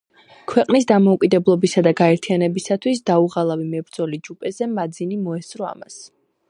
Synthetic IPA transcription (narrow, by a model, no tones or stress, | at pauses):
kʰwɛqʼnisd̪amɔukʼid̪ɛblˠɔbisad̪aɡaɛɾt̪ʰianɛbisat̪ʰwisd̪auʁalˠavimɛbɾd̪zɔlid͡ʒupʼɛzɛmad̪zinimɔɛsɾɔa̰mas